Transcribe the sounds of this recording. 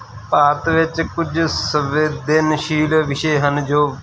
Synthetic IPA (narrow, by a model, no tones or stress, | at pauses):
paːt̪ʋɪt͡ʃkʊd͡ʒsəʋeːd̪ɪnʃiːlʋɪʃeːɦənd͡ʒoː